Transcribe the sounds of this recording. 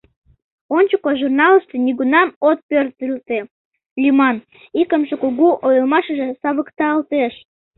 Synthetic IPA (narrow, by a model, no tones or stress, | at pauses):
onʲt͡ɕukoʒurnɑləʃt̪eniɣunɑmot̪̚pørt̪ylt̪e | lʲimɑn | ikəmʒekuɣuʔojəlmɑʃəʒesɑβəkt̪ɑəlt̪eʃ